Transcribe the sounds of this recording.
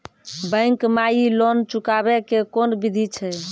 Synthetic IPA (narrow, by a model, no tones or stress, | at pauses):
bəɪŋkmajilɔnt͡ʃukabɛkekonbid̪ʱit͡ʃʰɛ